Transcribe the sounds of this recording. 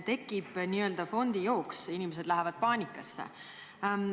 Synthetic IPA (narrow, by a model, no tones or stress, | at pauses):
t̪e̞kːˑib̥niːø̞ld̪ɑfo̞nd̪̥ijoːksinimes̬e̞d̪̥læɦevɑd̪̥̚pɑːnʲikːˑɑsːḛ